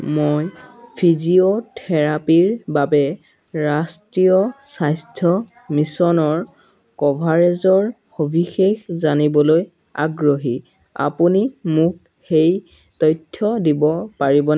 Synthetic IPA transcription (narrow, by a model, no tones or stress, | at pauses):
mojpʰiziotʰɛɹapiɹbabɛ | ɹastɹiɔsajstʰɔ | misɔnɔɹ | kɔbʱaɹezɔɹ | obʱixexzanibɔloj | a̰ɡɹoɦi | a̰punimuk̚ | xej | tɔjtʰːɔdibɔpaɹibɔn